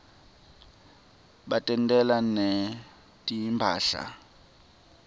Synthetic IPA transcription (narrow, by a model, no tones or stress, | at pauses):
ɓatʼɛntʼɛlanɛ | tʼiimpʰa̰ːɬa̰